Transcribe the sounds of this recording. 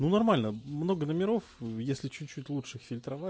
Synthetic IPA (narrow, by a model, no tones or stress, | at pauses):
nunɐrmalʲnəmno̞ɡənəmʲɪɾo̞fjesʲlʲɪt͡ɕut̚ʲt͡ɕːutʲlˠutʂɨxfʲɪlʲt̪ɾɐva